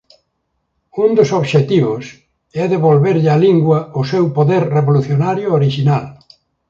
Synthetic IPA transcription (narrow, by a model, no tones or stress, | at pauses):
und̪ʊsoβʃet̪iβʊs | ɛðeβolβeɾʎaliŋɡwɐʊsewpoðeɾreβoluθjonaɾjʊoɾiʃinal